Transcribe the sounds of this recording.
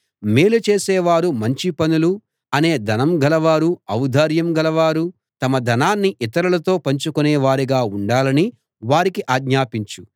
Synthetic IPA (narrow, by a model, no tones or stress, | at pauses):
meːlut͡ʃe̞ːsɛːʋaːɾumɐɲt͡ʃipɐnulu | ɐne̞ːd̪ɐnɐmɡɐlɐʋaːɾuɐwud̪ʱaːɾjɐmɡɐlɐʋaːɾu | t̪ɐmɐd̪ʱɐnaːnːiʔit̪ɐɾɐlɐt̪o̞ːpɐɲt͡ʃukunɛːʋaːɾiɡaːuɳɖaːlɐni | ʋaːɾikiʔaːɡɲaːpiɲt͡ʃu